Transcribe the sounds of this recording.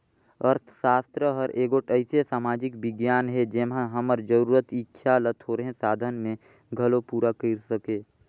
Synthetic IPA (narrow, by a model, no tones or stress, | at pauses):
əɾt̪ʰʃaːst̪ɾəɦəɾʔeːɡoʈəɪsesaːmaːd͡ʒɪkbɪɡjaːnɦɛd͡ʒeːmɦãɦəməɾd͡ʒəɾuːɾət̪ɪtːʃʰalət̪ʰɦoɾəɦẽsaːd̪ʱənmẽ | ɡʱəlopuːɾakiɾsəkeː